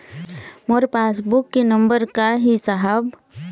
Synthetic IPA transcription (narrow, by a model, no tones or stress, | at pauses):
moɾpeːsbʊkːenɐ̃mbəɾkaɦisaɦəb